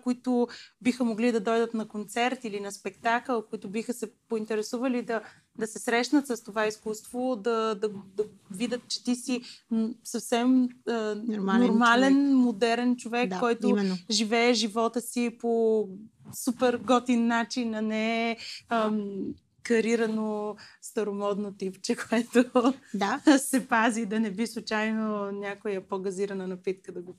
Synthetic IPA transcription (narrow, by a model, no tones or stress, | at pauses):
koit̪ʊbixəmoɡlid̪ɐd̪ɔjd̪ət̪nɐkont̪sɛɾt̪ilinɐspɛkt̪akəlˠkoit̪ʊbixəsɛpoint̪ɛɾɛsuvəlid̪ɐ | d̪ɐsɛsɾɛʃnət̪səst̪ovaiskust̪vod̪ɐd̪ɐd̪ɐ | vid̪ət̪̚t͡ʃɛ̥t̪isisɐfsɛməmnoɾmalɛnmod̪ɛɾɛnt͡ʃovɛk̪aːɔjt̪ʊmnʒivɛɛʒivɔt̪əsipo | supɛɾɡɔt̪inːat͡ʃinɐnɛɛəm | kɐɾiɾɐnost̪ɐɾomɔd̪not̪ipt͡ʃɛkoɛt̪odasɛpazid̪ɐnɛbislˠut͡ʃajnonʲakojəpoɡɐziɾɐnənɐpit̪kəd̪ɐɡo